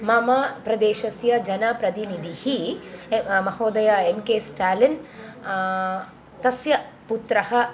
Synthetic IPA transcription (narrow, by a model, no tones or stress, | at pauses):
mɐmɐpɾɐd̪eːʃɐsjɐd͡ʒɐnɐpɾɐt̪inid̪ʱihi | mɐhoːd̪ɐjɐemkeːsʈaːlin | t̪ɐsjɐ | put̪ɾɐhɐ